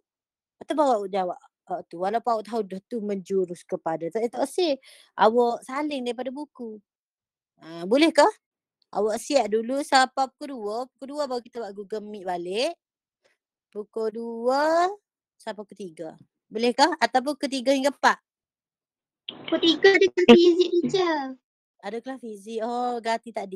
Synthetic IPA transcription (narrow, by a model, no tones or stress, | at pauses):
at̪abawaʔʔd͡ʒawaʔ | aʔt̪uwalawpawɔʔt̪aɦudəht̪uməɲd͡ʒuɾʊskəpadat̪ait̪ɔʔəsɪ | a̰wɔʔsalɪŋdaip̬adabuku | abulɛhkah | a̰wɔʔsiaʔdulusapapukoduəpukoduəbawakit̪awaʔɡuɡəmɪʔbalɪʔ | pukoduə | sapapukot̪iɡə | bulɛhkahat̪awp̬ʊkut̪̬iɡaiŋkəpaʔ | ukot̪iɡaadəkanfizɪk̚dit͡ʃə | adəkəlahfizɪʔɔɡat̪it̪aʔdi